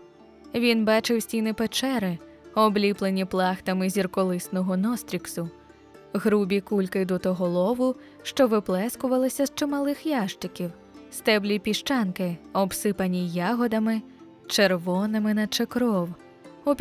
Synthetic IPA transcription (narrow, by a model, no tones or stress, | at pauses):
ʋʲinbɑt͡ʃɪwsʲtʲinɪpet͡ʃɛɾɪ | ɔblʲiplˠenʲiplˠɑxt̪ɐmɪzʲirkɔlˠɪsnɔɦɔnɔst̪ɾʲiksʊ | ɣɾubʲikulʲkɪd̪ɔt̪ɔɦɔlˠɔʋʊ | ʃt͡ʃɔʋɪplˠɛskʊʋɐlˠɪsʲɐzt͡ʃemɐlˠɪxjaʃt̪ɪkʲiw | st̪ɛblʲipʲiʃt͡ʃɑnkɪɔbsɪpɐnʲijaɦɔd̪ɐmɪ | t͡ʃerʋɔnɪmɪnɐt͡ʃekɾɔw | ɔpʲ